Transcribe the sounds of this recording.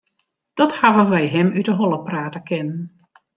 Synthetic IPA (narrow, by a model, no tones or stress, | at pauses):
d̥ɔthavəʋɛjɦɛmytəɦɔlˠəpraːtəkɪnən